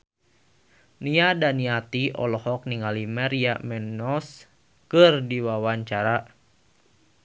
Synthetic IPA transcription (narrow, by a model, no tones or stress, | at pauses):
niadaniat̪iɔ̰lɔhɔk̚niŋalimaɾiamɛnɔs | kɨrdiwawaɲt͡ʃaɾa